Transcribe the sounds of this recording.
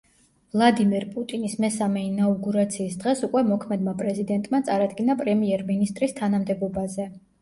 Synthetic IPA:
vlˠad̪imɛɾpʼut̪ʼinismɛsamɛinauɡuɾat̪sʰiːsd̪ʁɛsukʼwɛmɔkʰmɛd̪mapʼɾɛzid̪ɛnt̪ʼmat̪sʼaɾad̪ɡinapʼɾɛmiɛɾminist̪ʼɾist̪ʰanamd̪ɛbɔbazɛ

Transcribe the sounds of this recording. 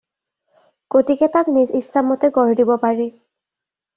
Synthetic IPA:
kotikɛtaknizislamɔtɛɡɔɹdibɔpaɹɛ

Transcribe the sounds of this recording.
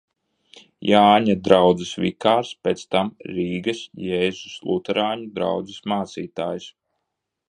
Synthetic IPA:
jaːɲad̪ɾawd̪zisvḭkaːɾspʲet̪st̪amɾiːɡɐsjɛːzuslˠut̪ɛɾaːɲud̪ɾa̰wd̪zismaːt̪siːt̪aːjs

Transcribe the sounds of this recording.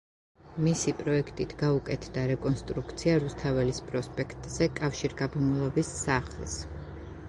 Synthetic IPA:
misipʼɾɔɛkʰt̪ʼit̪ʰɡaukʼɛt̪ʰd̪aɾɛkʼɔnst̪ʼɾukʰt̪sʰiaɾust̪ʰavɛlispʼɾɔspʼɛkʰt̪ʼz̥ɛkʼafʃiɾɡabɔmulˠɔbisːaχls

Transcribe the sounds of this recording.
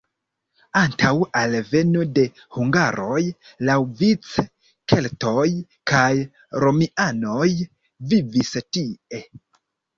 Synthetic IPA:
antʰawalve̞node̞ | huŋɡaɾo̞j | lawvit͡s | ke̞lto̞j | kaj | ɾo̞miʔano̞j | vivistie̞

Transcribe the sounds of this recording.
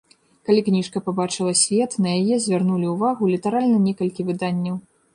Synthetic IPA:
kalʲiknʲiʂkɐpabat͡ʂɨlˠɐsʲvʲɛt̪nɐjajɛzʲvʲarnulʲiuvaɣulʲit̪aɾalʲnɐnʲɛkɐlʲkʲivɨd̪anʲːɐw

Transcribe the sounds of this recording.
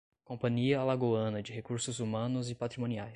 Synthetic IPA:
kõpɐ̃ɲiɐlaɡoɐ̃nɐd͡ʒɪɦekuɾsʊzumɐ̃nʊzɪpat̪ɾimõniajs

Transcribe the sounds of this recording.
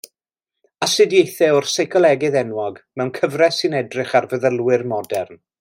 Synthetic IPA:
asɨdjejθɛɔrsɛjkʰɔlˠɛɡɨðɛnwɔɡmɛwnkʰəvrɛsɨnɛdrɪχarvəðəlˠwɨrmɔdɛrn

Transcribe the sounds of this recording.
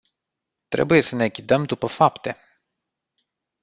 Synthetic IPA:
t̪ɾe̞̰buje̞sənekʲid̪əmd̪upəfapt̪e̞

